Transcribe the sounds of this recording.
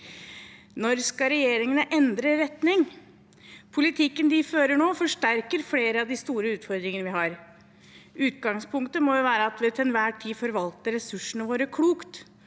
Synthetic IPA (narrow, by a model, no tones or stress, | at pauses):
nɔɾskɑɾɛjeːɾɪŋənəʔɛnd̪ɾəɾɛt̪nɪŋ | pʰʊlɪt̪ʰɪkːənd̪ɪføːɾəɳoːfɔʂʈæɾkəɾfleːɾəɑʋd̪ɪst̪uːɾəʉːt̪fɔɾd̪ɾɪŋənəʋɪɦɑɾ | ʔʉːt̪ɡɑŋspʰʊŋkt̪əmɔjʊʋæːɾəɑt̪ʋɪt̪ʰɛnʋæːʈʰiːfɔɾʋɑlt̪əɾɛsʉʂːənəʋoːɾəkʰɽuːkt̪